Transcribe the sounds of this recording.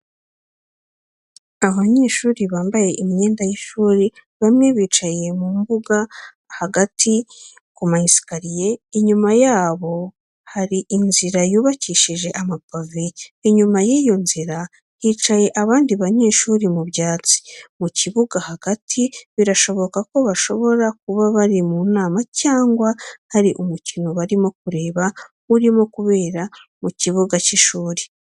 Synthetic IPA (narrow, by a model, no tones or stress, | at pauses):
aβaɲe̞ːʃuːɾiβaːmbaje̞ʔimɲe̞ːndajiʃuːɾiβamŋe̞βiːt͡ʃaje̞mumbuɡa | haɡatʰi | kumajisi̥kaɾije̞iɲumajaːβo̞ | haɾiʔinziɾajuːβaciːʃiʒe̞ʔamapaviiɲumajiːjo̞nziɾa | hit͡ʃaje̞ʔaβaːndiβaɲe̞ːʃuːɾimuβjaːt͡si̥muciβuɡahaɡ̥atʰiβiɾaʃo̞βo̞kako̞βaʃo̞βo̞ɾak̚uβaβaɾimuːnaːmacaːŋɡwahaɾiʔumucino̞βaɾimo̞k̚uɾe̞ːβa | uɾimo̞kuβe̞ːɾamuciβuɡaciʃuːɾi